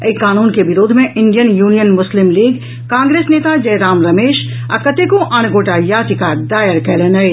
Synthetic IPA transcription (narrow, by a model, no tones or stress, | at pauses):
əikaːnuːnkebɪɾoːd̪ʱmẽʔɪɳɖijənjuːnijənmʊslɪmliːɡ | kãːŋɡɾeːsneːt̪ad͡ʒɐjɾaːmɾɐmeːʃ | ɐkɐt̪ekõʔañɡoːʈajaːt̪ikad̪aːjəɾkɛlənɐj